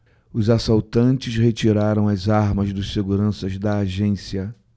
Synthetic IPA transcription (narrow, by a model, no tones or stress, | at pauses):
ʊzasawt̪ɐ̃nt͡ʃɪshet͡ʃiɾaɾɐ̃w̃ɐzaɾmɐzd̪ʊʃseɡuɾɐ̃sɐzd̪ɐːʒẽsiɐ